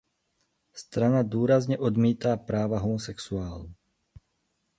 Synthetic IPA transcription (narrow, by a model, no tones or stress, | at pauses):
st̪ɾanad̪ʊɔːɾazɲɛʔɔd̪miːt̪apɾaːʋaɦɔmɔsɛksuaːlu